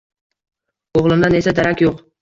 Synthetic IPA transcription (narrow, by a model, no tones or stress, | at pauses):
oʁlˠɪmd̪ane̞sad̪aɾakʲjoq